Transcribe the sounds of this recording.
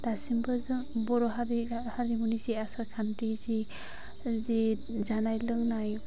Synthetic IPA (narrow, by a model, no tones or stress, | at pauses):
d̥asimbɯzɯbɔɾɔɦaɾihaɾimuniziasaɾkʰantizi | zi | zanajlɯŋnaj